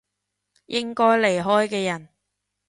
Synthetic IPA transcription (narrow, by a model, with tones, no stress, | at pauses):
jʔɪ˥ŋkɔː˥jle˨˩jɦɔː˥jkɛː˧jɐ˨˩n